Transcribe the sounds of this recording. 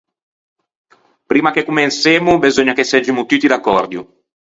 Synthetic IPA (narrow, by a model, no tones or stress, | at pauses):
pɾiːmakekːumenseːmubezoɲːakesed͡ʒimut̪ut̪ːid̪akːɔrd̪jṵ